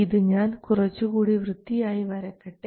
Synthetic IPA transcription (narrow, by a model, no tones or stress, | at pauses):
iðɨɲaːnkurɐt͡ɕːukuːɽiʋrɨd̪ːijaːjiʋɐɾɐkːɐʈːe